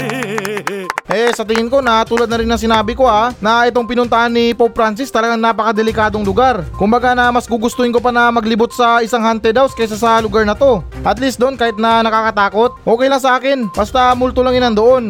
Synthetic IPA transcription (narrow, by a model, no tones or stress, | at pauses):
ʔɛsɐt̪ɪŋɪnko̞nɐt̪uːlɐd̪nɐɾɪnːɐŋsɪnaːbɪko̞ʔanɐʔɛt̪o̞ŋpɪnʊnt̪aʔanːɪpowpɾans̬ɪst̪ɐlɐɡaŋnaːpɐkɐd̪ɛlɪkaːd̪o̞ŋlʊɡaɾkʊmbɐɡanɐmɐsɡuɡʊst̪oɪnk̬op̬ɐnɐmɐɡlɪbʊt̪̚sɐʔɪsaŋhant̪ɛd̪awskɛjs̬asɐlʊɡaɾnɐt̪o̞ʔɐt̪list̪d̪onkaːhɪt̪̚nɐnɐkakɐt̪aːko̞t̪̚ʔo̞ːkɛjlɐŋs̬ɐʔaːkɪnbɐst̪amʊlt̪ʊlɐŋɪnɐnd̪oʔo̞n